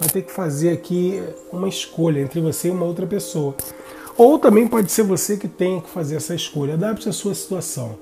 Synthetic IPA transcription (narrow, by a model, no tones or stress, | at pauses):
vajt̪ekɪ̥fazeɾakʰi | ũmɐɪʃkoʎɐẽnt̪ɾɪvoseiũmɐowt̪ɾɐpesowɐ | owt̪ɐ̃mbẽj̃pɔd͡ʒɪseɾvosekɪt̪ẽj̃ɐkɪ̥fazeɾɛsɐɪʃkoʎɐad̪apt͡ʃɪasuɐsi̥t̪uasɐ̃w̃